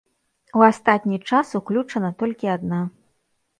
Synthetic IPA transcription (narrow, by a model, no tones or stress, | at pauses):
uast̪at̪ʲnʲit͡ʂasuklʲut͡ʂɐnɐt̪ɔlʲkʲiad̪na